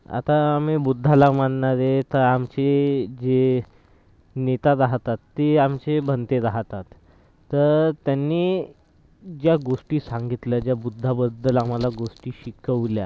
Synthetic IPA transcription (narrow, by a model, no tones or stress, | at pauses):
a̰t̪aːmibud̪ʱːalamannaɾet̪əɾamt͡ɕed͡ʑe | net̪ad̪aɦt̪at̪ːeamt͡ɕebʱənt̪ed̪aɦt̪at̪ː | əɾt̪janːiː | d͡ʑjaɡoʂʈiːsaŋɡit̪lad͡ʑjabud̪ʱːabəd̪ːəlamalaɡoʂʈiːɕikəʋlja